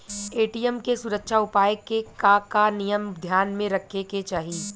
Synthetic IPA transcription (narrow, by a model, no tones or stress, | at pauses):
eːʈiːjəmkesʊɾəkʃaʊpaːjəkːekakanijəmd̪ʱjaːnmẽɾɐkʰːeket͡ʃaːɦiː